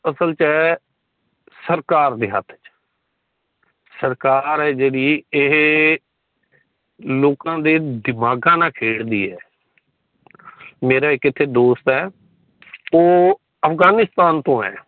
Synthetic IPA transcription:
əsəlt͡ʃɛː | səɾkaːɾd̪eːɦə̰t̪ʰːt͡ʃ | səɾkaːɾɛːd͡ʒeːɽiːɪɦ | loːkãːd̪eːd̪ɪmaːɡãːnãːkʰeːɽd̪iːɛː | meːɾaːɪkɪt̪ʰːeːd̪oːst̪ɛː | oː | əfʰɡaːnɪst̪aːnt̪õːɛ̰ː

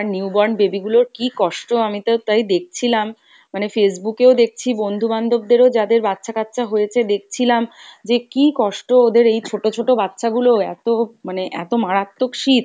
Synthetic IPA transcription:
aɾniubɔɾnbebiɡuloɾkikɔʃʈoamit̪aot̪ajd̪ek̚ʰt͡ɕʰilamː | anefesbukeod̪ek̚t͡ɕʰibond̪ʱuband̪ob̚d̪eɾod͡ʑad̪eɾbatːɕʰakat̪ːt͡ɕʰaɦojet͡ɕʰed̪ek̚t͡ɕʰilamd͡ʑekikɔʃʈood̪eɾejt͡ɕʰoʈot͡ɕʰoʈobatːɕʰaɡuloɛt̪omaneʔɛ̰t̪omaɽat̪ːokʃit̪

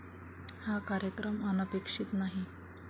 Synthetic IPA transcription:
hakaɾjəkɾəmənəpekʂit̪naɦi

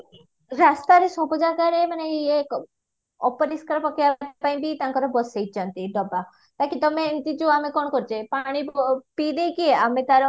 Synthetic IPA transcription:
ɾast̪aɾesɔbɔd͡ʒaɡaɾemaneek | ɔpɔɾiskɔɾɔpɔkiapaĩbit̪ãŋkɔɾɔbɔsejt͡ʃʰɔnt̪iɖɔba | t̪akit̪ɔment̪id͡ʒuamekɔɽɔkɔɾt͡ʃʰepaɽ̃ippid̪ejkieamet̪aɾɔ

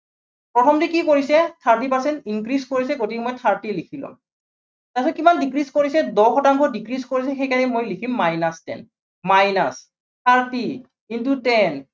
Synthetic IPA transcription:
pɹɔtʰɔmdikikoɹisɛt̪ʰaɹt̬ipaɹsɛntinkɹiskoɹisɛɡotikmɔjtʰaɹtilikʰilʊ̰̃m | tasɔkimandikɹiskoɹisɛdɔxʰɔtaŋkʰɔdikɹiskoɹis̬ɛxejkanɛmojlikʰimːajnastɛ̰n | majna̰s | t̪ʰaɹti | kintutɛn

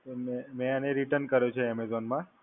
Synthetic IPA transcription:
memẽəneɾiʈənkəɾjõt͡ʃʰeɛmezɔnmã

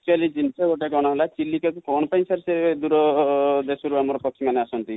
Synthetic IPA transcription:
t͡ʃualid͡ʒinsɔɡoʈaɡɔɽ̃ɔɦelat͡ʃilːikakukɔɽ̃ɔpaĩsaɾsed̪uɾɔd̪esɔɾuamɔɾɔpɔkʰːɔmaneasɔnt̪i

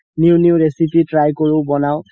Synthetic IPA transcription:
niʊniʊɹesipitɹajkoɹʊbɔnaʊ

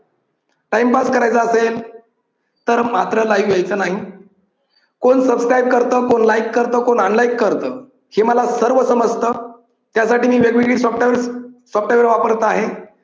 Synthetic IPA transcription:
ʈaimpaskəɾajt͡səəsel | t̪əɾmat̪ɾəlajiʋjajt͡səːnaɦi | koɳsəbskɾajb̚kəɾt̪əːkonlaikːəɾt̪əːkoɳəɳlajikːəɾt̪əː | heməlasəɾʋəsəməd͡zt̪əː | t̪jasaʈiːmiːʋjeɡʋiɡɽiːsɔfʈʋəɾsɔfʈaʋəɾʋapəɾt̪əaɦe

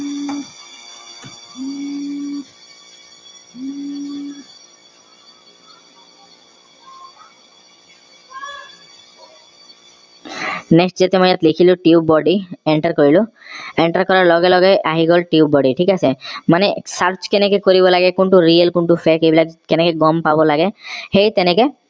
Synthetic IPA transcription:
neksʈd͡ʒet̪emɔjat̪likʰiluʈiubɔɖieɳʈaɾkoɾilu | eɳʈaɾkɔɾaɾlɔɡelɔɡeʔaɦiɡɔlʈiubɔɖiʈʰikasemanesaɾt͡ʃkenekekoɾibɔlaɡekuɳʈuɾiəlkuɳʈupʰekebilakenekeɡɔmpabɔlaɡehejt̪ɛneke

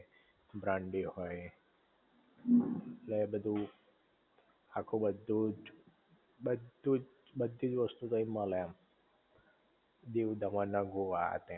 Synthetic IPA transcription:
bɾãɳɖihɔj | lebəd̪ʱu | akʰobəd̪ːud͡ʒ | bəd̪ud͡ʒ | bəd̪ʱːid͡ʒʋəst̪ut̪əimãleam | d̪iʋd̪ʱəmanːãɡoʋa̰t̪ẽ

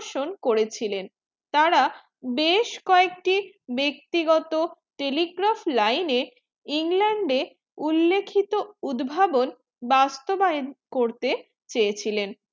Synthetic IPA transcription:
ʃonkoɾet͡ɕʰilen | t̪aɾa | beʃkɔek̚ʈi | bek̚t̪iɡɔt̪o | ʈeliɡɾaflajne | iŋlɛɳɖe | ulːekʰːit̪oud̪bʱabon | bast̪obaekoɾt̪e | t͡ɕeet͡ɕʰilen

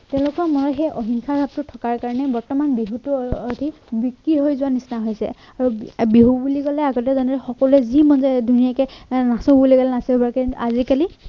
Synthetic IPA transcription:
tɛ̃ʊ̃lʊkɔmɔɹɔxɛjʔɔɦiŋkʰabʱab̚tʊtʰɔkaɹkaɹɔnɛbɔɹtɔmanbiɦutuɔdʱi | bikɹiɦojzʊwanisnaɦojsɛ̰ | aɹubiɦubulikɔlɛaɡɔtɛzɔnɔɹɛxɔkɔluɛzimɔnzɛdʱunijakɛnasɔ̃buliɡalɛnasibɔɹkaazikali

